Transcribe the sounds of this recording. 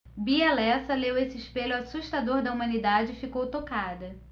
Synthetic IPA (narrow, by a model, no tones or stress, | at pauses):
bialɛsɐlewesɪɪʃpeʎʊwasuʃt̪ad̪oɾd̪ɐumɐ̃nid̪ad͡ʒɪːfikowt̪okad̪ɐ